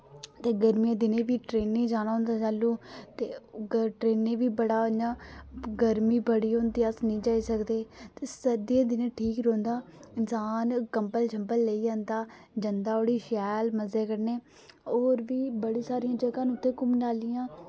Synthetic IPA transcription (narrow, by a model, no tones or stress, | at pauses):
t̪eːɡəɾmiːãːd̪ɪnẽːʋiːʈɾeːnːeːd͡ʒaːñaːɦʊ̃ːnd̪aːt͡ʃaːlːũːt̪eːʈɾeːnːẽːʋiːbəɽaːonaːɡəɾmiːbəɽiːõːnd̪iːəsnəĩːd͡ʒaːiːsəkd̪eːt̪eːsəd̪iãːd̪ɪnẽːʈʰiːkɾõːnd̪aːɪnsaːnkəmpəlt͡ʃʰəmpəlːeiːãːnd̪aːd͡ʒənd̪aːoːɽiːʃɛːlməzeːkəɾneː | oːɾʋiːbəɽiːsaːɾiːãːd͡ʒəɡãːnʊt̪ʰːeːkʊmnaːlɪjãː